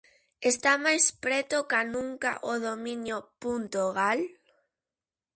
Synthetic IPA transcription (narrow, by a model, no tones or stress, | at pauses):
est̪amajspɾɛt̪okanũŋka̰ʔoðominjopunt̪oɣal